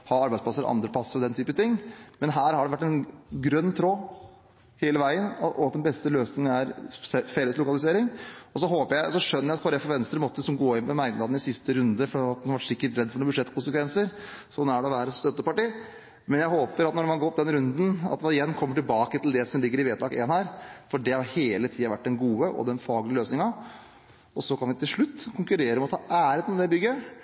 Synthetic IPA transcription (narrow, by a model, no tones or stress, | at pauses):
hɑɑɾbæɪsplɑsːəɾ̰ʔɑ̰nd̪ɾəpʰlɑsːəɾɔd̪ɛnt̪ʰyːpət̪ʰɪŋːmɛnɦæːɾhɑɖɛʋæʈːɛnɡɾœnːt̪ʰɾoː | heːləʋæɪənʔɔɑt̪d̪ɛnbɛst̪əløːsnɪŋənæɾɛfɛlːəslʊkɑlɪseːɾɪŋɔsɔɦoːpəɾjæɪɔsɔʂœnːəjæɑt̪kʰɑɾɛfɔɾʋɛnst̪ɾəmɔt̪ːəsɔmɡoːɪnməmæɪnɑd̪nɪsɪst̪əɾʉnd̪əfɔɾiːɑt̪̚ɛnhɑɾʋæʈsɪkːəʈɾɛd̪ːfɔɳuːbʉd̪ʂɛt̪ːkʰʊnsəkʋɛnsəɾsɔnːæɖɛɔʋæːɾəst̪œt̪ːəpɑʈiː | mɛnjæɪhoːpəɾɑt̪nɔɖɛmɑnɡɔɔp̚ːd̪ɛnɾʉnd̪n̩ɑ̰t̪d̪ɛʋɑɾɪjɛnːkʰɔmːəʈɪlbɑːkət̪ʰɪld̪ɛsɔmlɪɡːəɾɪʋeːd̪lɑkḛːnhæːɾfɔɖɛhɑɾheːlət̪ʰiːɑʋæʈ̚ːd̪ɛnɡuːəʔɔ̰d̪ɛnfɑːɡlɪəløːsnɪŋɑ | ɔsɔkʰɑnʋɪt̪ʰɪlʂɭʉt̪ːkʰʊŋkʉɾeːɾəɔmɔt̪ʰɑːʔæːɾheːt̪mɛd̪ɛbʏɡːə